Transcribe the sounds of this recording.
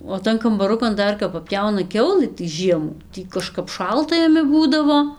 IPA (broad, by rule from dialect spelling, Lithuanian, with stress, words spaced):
oː ˈtɐn kɐmbɐˈrʊkɐn ˈdɐr kɐp pɐˈpʲjɛʊnɐ ˈkʲɛʊlˠɨ tɐɪ ˈʒʲiɛmuː ˈtʲiː kɐˈʃkɐp ˈʃɐlˠtɐ jɛˈmʲɪ ˈbuːdɐʋoː